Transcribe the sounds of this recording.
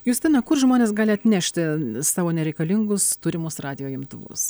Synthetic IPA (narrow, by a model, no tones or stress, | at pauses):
jʊːsʲt̪ʲɪnɐkʊrʒmoːnʲeːsɡɑːlʲɪɐt̪ʲnʲæːʃʲt̪ʲɪsɑːʋoːnʲɛɾʲɛɪkɐlʲɪŋɡʊst̪uːɾʲɪmʊsrɑːd̪ʲɪjoːjɪmt̪ʊʋʊ̰s